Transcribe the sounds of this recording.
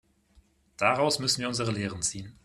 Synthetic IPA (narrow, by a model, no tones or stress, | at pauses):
d̥aʁaʊsmʏsn̩viːɐʊnzəʁəleːʁənt͡siːən